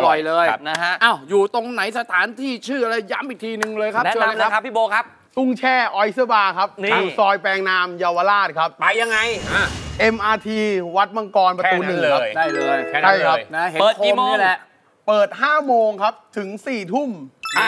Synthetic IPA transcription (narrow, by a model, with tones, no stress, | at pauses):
lɔ˨˩jlɤː˧jna˦˧˥ɦa˦˥ʔʔaː˧˩wjuː˨˩t̪o˧ŋna˩˦jsa˧t̪ʰaː˩˦nt̪ʰiː˥˩t͡ɕʰɯː˥˩ʔa˧ɾa˧jːa˦˥mʔi˨˩k̚t̪ʰiː˧nɯ˧ŋlɤː˧jkʰa˦˥˦a˧a˦a˦˥pʰːiː˥˩boː˧kʰa˦˥p̚ | su˥˩ŋt͡ɕʰɛː˥˩ʔɔ˧˩jsɯ˦˥˩baː˧kʰa˦˥p̚niu˨˩sɔː˧jpɛː˧ŋnaː˧mjaː˧wa˧laː˥˩t̪̚kʰa˦˥p̚a˧jːa˧ŋːa˧ja˧˩ʔe˧mʔaː˧t̪ʰiː˧wa˦˥t̪̚ma˧ŋkɔː˧npaː˧˩˧nːɯ˨˩ŋkʰa˦˥˧pja˥˩jlːʰa˥˩jkʰa˦˥na˦˥eː˨˦˨kʰoiː˧˥˨lɛ˦ | pɤː˨˩t̪̚ɦaː˥˩moː˧ŋkʰa˦˥p̚t̪ʰɯ˩˦ŋsiː˨˩t̪ʰu˥˩ma˥˩